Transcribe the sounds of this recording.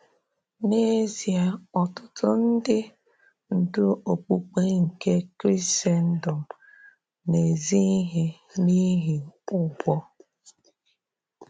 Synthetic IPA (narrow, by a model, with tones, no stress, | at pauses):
ne˦zi˨a˨ɔ˨tʊ̥˦tʊ˦n̩˦dɪ˦ | n̩˨dʊ˦o˨k͡pu˨k͡pe˦ŋ̩˨ke˦kɾi˦se˦n̩˦dɔ˨m | ne˨zi˦ɦe˦ | ni˦ɦi˨ʊ˦bʷɔ˦